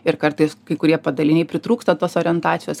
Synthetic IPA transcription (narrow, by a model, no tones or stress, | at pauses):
ɪɾkɐɾt̪ɐɪskɐɪkʊɾʲiɛpɐd̪ɐlʲɪnʲɛɪpʲɾʲɪt̪ɾuːkst̪ɐt̪oːsoːɾʲɪɛnt̪ɑːt͡ssʲɪjoːs